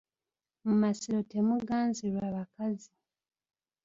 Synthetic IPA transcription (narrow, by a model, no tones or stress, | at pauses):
mumasiɾo̞te̞muɡaːnziɾwaːβakazi